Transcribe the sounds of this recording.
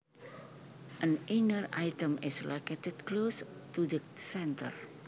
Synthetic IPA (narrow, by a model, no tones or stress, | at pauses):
ʔənʔinəra̰jt̪əmɪsloket̪ɛt̪klost̪udəsɛnt̪ə̰r